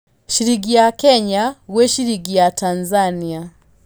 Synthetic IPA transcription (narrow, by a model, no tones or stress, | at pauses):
ʃiɾiɡijakɛɲaɣwɛʃiɾiɡijatanzania